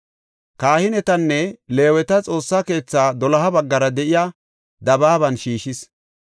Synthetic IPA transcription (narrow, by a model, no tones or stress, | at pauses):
kaːhɪnɛt̪ɐnːɛle̞ːwɛt̪ɐt͡sʼo̞ːsːaːke̞ːt͡sːaːd̪ɔlɐɦɐbɐɡːɐɾɐd̪ɛʔɪjaː | d̪ɐbaːbɐnʃiːʃɪs